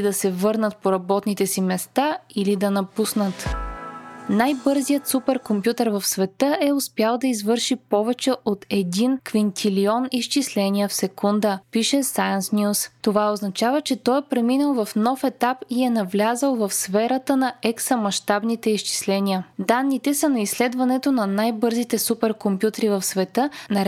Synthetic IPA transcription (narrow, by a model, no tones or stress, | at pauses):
d̪ɐsɛvɤɾnət̪̚poɾɐbɔt̪nit̪ɛsimɛst̪ailid̪ɐnɐpusnət̪ | najbɤɾzijət̪supɛɾkompjut̪ɛɾvɐfsvɛt̪ɤʔɛʊspjalˠd̪ɐizvɤɾʃipɔvɛt͡ʃɛʔot̪ɛd̪inkvint̪ʰiliɔniʃt͡ʃislɛniəfsɛkund̪əpiʃɛsajənsnʲjust̪ovaoznɐt͡ʃavət͡ʃɛt̪ɔjpɾɛminəlˠvɐfnɔfɛt̪apiɛnɐvlʲazəlˠvɐfsfɛɾət̪ənɐɛksɐmɐʃt̪abnit̪ɛiʃt͡ʃi̥slɛnʲiəd̪anːit̪ɛsɐnɐislɛd̪vɐnɛt̪onɐnajbɤɾzit̪ɛsupɛɾkompʲjut̪əɾivɐfsvɛt̪ɤnɐ